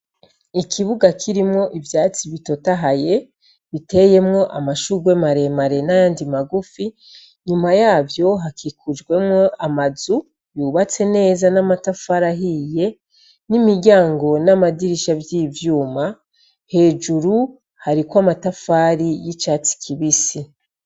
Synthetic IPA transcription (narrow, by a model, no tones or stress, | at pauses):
ikʰiβuɡakʰiɾimŋo̞ʔivjaːt͡siβito̞taɦaje̞ | βite̞je̞mŋo̞ʔamaʃuɡwe̞maɾe̞maɾe̞najaːndimaɡufi | ɲumajaːvjo̞ɦakikʰud͡ʒɡwe̞mŋo̞ʔamazu | juːβat͡se̞ne̞ːzanamatafaɾaɦiːje̞ | nimiɟaːŋɡo̞namadiɾiʃabjiːvjuːma | he̞ːd͡ʒuɾu | haɾikwamatafaːɾijit͡ʃaːt͡si̥kʰiβisi